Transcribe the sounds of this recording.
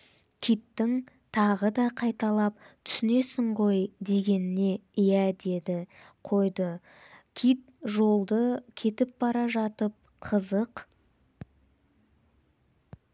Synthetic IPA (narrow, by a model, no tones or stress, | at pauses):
kʲʰijt̪ːɪŋ | t̪ʰɑʁəd̪ɑqʰɑjt̪ɑlˠɑp̚t̪ʰʏ̥sɪne̞sɪɴʁo̞jd̪e̞ɡʲe̞nɪne̞ɪjæd̪e̞d̪ɪqʰo̞jd̪ə | kʲʰit̪̚ʒo̞lˠd̪əkʲʰe̞t̪ɪp̚b̥ɑɾɑʒɑt̪əp̚ | qʰəzəq